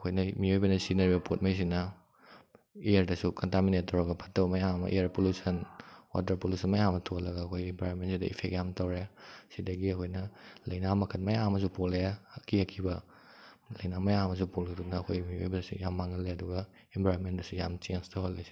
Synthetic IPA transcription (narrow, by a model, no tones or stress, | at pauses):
ɐkʰojnɐmiojbɐnɐsinɐɾibɐpʰot̚mɐjs̬inɐ | eɐɾdɐsukɔntaminetːɐwɾɐɡɐpʰɐtːɐbmɐjamɐ̰ʔeɐɾpolusɐnwa̰t̬ɐɾpolusʰɐnmɐjamɐtʰolɐɡaːkʰojempaɾonmentsidɐ̰ʔḭpʰekɡjamtɐwɾesidɐɡiɐkʰojnɐlɐjnamɐkʰɐtmɐjamɐs̬upoleɐkʰiɐkʰibɐ | lɐjnamɐjamɐs̬upoleduknɐɐkʰojmiojbɐnɐsujamːaŋɐlːeɐduɡɐ | embʱajɾonmentdɐsujamt͡ʃenstɐholːesi̥